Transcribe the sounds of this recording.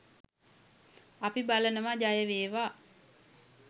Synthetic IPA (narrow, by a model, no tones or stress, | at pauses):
apibalənəmad͡ʒajəʋeːʋaː